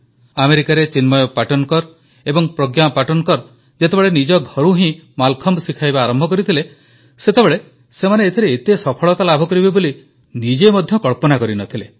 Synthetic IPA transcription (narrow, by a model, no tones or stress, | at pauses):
ameɾikaɾet͡ʃinmɔjɔpaʈɔnɔkɔɾ | ebɔŋpɾɔɡjapaʈɔnɔkɔɾ | d͡ʒet̪ebeɭenid͡ʒɔɡʱɔɾuɦĩmalkʰɔmbsikʰajbaːɾɔmbʱɔkɔɾit̪ʰile | set̪ebeɭe | semaneːt̪ʰiɾeːt̪esɔpʰɔɭɔt̪alabʱɔkɔɾibeboli | nid͡ʒemɔd̪ʱjɔkɔɭpɔnakɔɾinɔt̪ʰile